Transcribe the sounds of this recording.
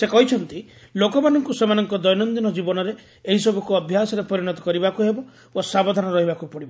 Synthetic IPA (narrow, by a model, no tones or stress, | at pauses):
sekɔɦit͡ʃʰɔnt̪i | lokɔmanɔŋkusemanɔŋkɔd̪ɔjnɔnd̪inɔd͡ʒibɔnɔɾe | eɦisɔbʱukuɔbʱjasɔɾepɔɾiɽ̃ɔt̪ɔ̥kɔɾibakuɦebɔ | bosabɔd̪ʱanɔɾɔɦibakupɔɽibɔ